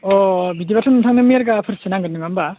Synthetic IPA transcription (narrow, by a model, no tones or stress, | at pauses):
ɔbidibatʰɯŋɯmtʰaŋnɯmiaɾɡapʰɯɾsɯnaŋɡɯnːɯŋamba